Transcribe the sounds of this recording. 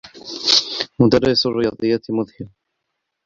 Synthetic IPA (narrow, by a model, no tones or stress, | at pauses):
mʊt̪aɾɑːʔɪsʊrːɪjɑːd̪ˤɨjːat̪mʊðhɪɾ